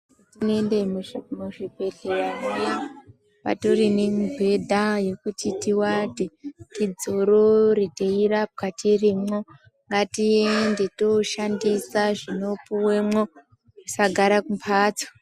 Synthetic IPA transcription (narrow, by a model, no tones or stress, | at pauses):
tinendemuʐibʱe̞ɮeraruja | pa̰torinembʱe̞dʱaje̞kutʰitiwatitid͡zoɾoriteirap̚katʰirimo̞ | ŋɡatiendetoʃandisaʐino̞puwe̞mwo̞ | usaɡʱaɾakumpʰaːt͡sḁ